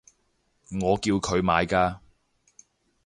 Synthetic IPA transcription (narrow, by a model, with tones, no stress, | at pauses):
ŋɔː˨˧kiː˧wkʰɵ˨˧ɥmaː˨˧jkaː˧